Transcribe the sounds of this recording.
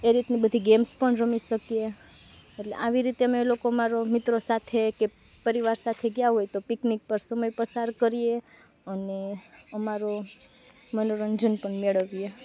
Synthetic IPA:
eɾit̪nibəd̪ʱiɡemspəɳɾəmiʃəkije | eʈlḛʔaʋiɾit̪eəmelokoəmaɾomɪt̪ɾosat̪ʰeke | pəɾiʋaɾsat̪ʰeɡjaɦojt̪opiknik̚pəɾsəməjpəsaɾkəɾie | əneəmaɾo | mənoɾəɲd͡ʒənpəɳmeɭəʋije

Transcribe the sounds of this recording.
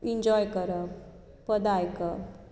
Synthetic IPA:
iɲd͡ʑɔjkəɾə | pəd̪ajkə

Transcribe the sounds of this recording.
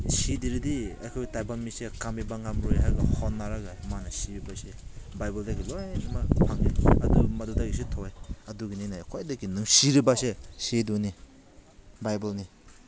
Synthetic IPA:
sidiɾidia̰kʰɔjtajbamisekamibaŋamɾojɦajɡahɔnːaɾaɡamanasiɾibasebajbaldaɡilojnimapʰaŋiɐdumɐdudaɡisetʰɔjɐduɡininakʰojdaɡinɯŋsiɾibaseseduni | bajbalni

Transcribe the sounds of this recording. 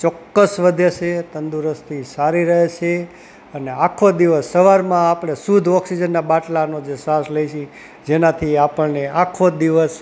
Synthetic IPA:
t͡ʃɔkːəsʋəd̪ʱeʃʰet̪ənd̪uɾəst̪ʰisaɾiɾəɦet͡ʃʰe | əneakʰod̪iʋəsːəʋaɾmãapɽ̃esud̪ʱɔksid͡ʒənːabaʈlanod͡ʒesasləiʃi | d͡ʒenat̪ʰiapəɭneakʰod̪iʋəs

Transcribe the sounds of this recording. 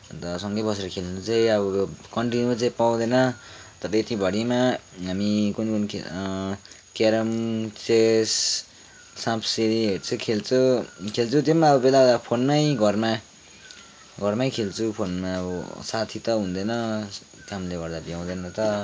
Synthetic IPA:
nt̪ʌsʌŋɡʌjbʌs̬eɾʌkʰelnut͡saĩʌbʌkʌɳʈinjuat͡saĩpaw̃d̪ʌnʌt̪ʌɾʌet̪ibʱʌɽimaɦamikunikunk | keɾʌmt͡ses | sãpʰseɾiɦet͡sʰʌkʰelt͡sʰukʰelt͡sʰut̪emaʌbʌbelabʌd̪apʰonmaiɡʌrma | ɡʱʌrmajkʰelt͡sʰupʰonmaʌbʌsat̪ʰit̪ʌɦũnd̪ʌnʌ | t̪aɦamileɡʌɾd̪abjaw̃d̪enʌt̪ʌ

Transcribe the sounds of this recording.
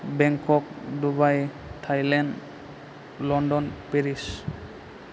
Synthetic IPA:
bɛŋkʰɔk̚dubaj | tʰajlɛnd | lɔndɔnpeɹis

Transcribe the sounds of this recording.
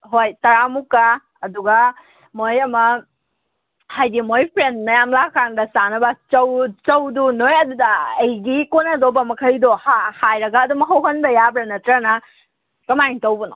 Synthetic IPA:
ɦojtɐɾamukːaː | duɡɐ | mojɐmɐ | hajdimojpʰɾendnɐjamlakaŋdɐsanɐbɐt͡ʃɐwt͡ʃɐwdunojɐdudɐːjɡikonɐdobɐmɐkʰɐjdohahajɾɐɡɐːdumɐɦɐwɦɐnbɐjabɾanɐtɾanɐ | kɐmajŋtɐwbɐno

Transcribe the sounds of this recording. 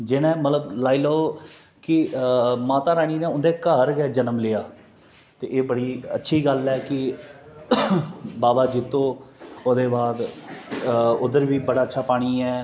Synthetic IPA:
d͡ʒeːnɛ̃ːmət̪ləblaːiːloːoː | kɪmaːt̪aːɾaːñiːnẽːʊ̃nd̪eːkəɦɾɡɛːd͡ʒənəmlɪːaː | t̪eːʔeːbəɽiːə̰tːʃʰiːɡəlɛːkɪ | baːbaːd͡ʒɪt̪ːõːoːd̪eːbaːd̪ | ʊd̪əɾʋiːbəɽaːətːʃʰaːpaːɽ̃iːɛː

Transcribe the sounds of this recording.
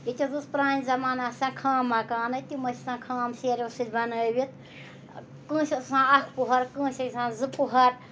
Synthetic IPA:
jit̪ʲuzɨspɾãːnʲzɐmaːnasãːkʰaːmːakaːnɐt̪imɐsʲisãːkʰaːmseːɾʲosɨlʲbɐnəːʋit̪̚ | kɨ̃ːsʲisãːɐkʰpuɦɐɾkə̃ːsʲɐkʲsãːzɨpuɦɐɾ

